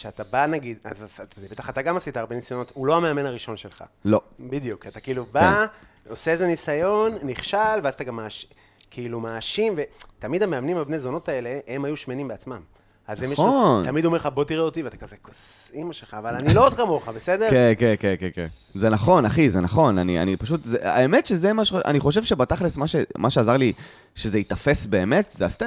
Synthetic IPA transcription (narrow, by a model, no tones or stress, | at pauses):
ʃeat̪abanaɡid̪atdebe̞t̪aχat̪aɡamasitaʁbenisajo̞not̪ulo̞ame̞ame̞naʁiʃo̞nʃe̞lχa̰lobid̪jukat̪akiiluba | o̞seezenisajo̞nːiχʃalvazataɡamːaːʃ | kʰiilumaːʃimve̞tamid̪ameamnimabne̞zo̞no̞tae̞le̞emajuʃmenimbeat͡smam | azemjeont̪amid̪omeχabo̞tiʁeot̪iveat̪akazekosimaʃelχaːvalanilood̪̚kamo̞χabesed̪eʁkenkenkenkenken | zenaχo̞naχizenaχo̞nania̰nipaʃ̬ut̪zea̰emetʃezemaʃʔa̰niχo̞ʃ̬evʃebataχlismaʃemʔaʃeazaʁli | ʃe̞zeit̪afe̞sbe̞ːme̞tzeast̪e